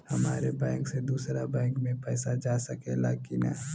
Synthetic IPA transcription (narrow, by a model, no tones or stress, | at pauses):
hɐmaːɾebɛ̃ːŋksed̪uːsɾabɛ̃ːŋkmẽpɛːsad͡ʒaːsɐkela̰kina